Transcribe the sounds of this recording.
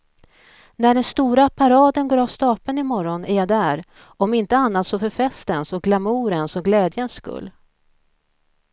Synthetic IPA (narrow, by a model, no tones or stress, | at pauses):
næɖɛnst̪uːɾapʰaɾɑːd̪ənɡoːɾavst̪ɑːpənɪmɔɾɔnæɾjad̪æːɾ | ɔmɪnt̪əanːat̪sɔfœɾfɛst̪ɛnsɔɡlamuːɾənsɔɡlɛːd̪jənsːkɵ̰lː